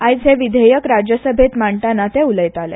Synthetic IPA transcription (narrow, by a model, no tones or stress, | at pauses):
ajt͡sɦeʋid̪ʱejəkɾad͡ʑjəsəbʱet̪maɳʈanat̪euləjt̪alɛ̰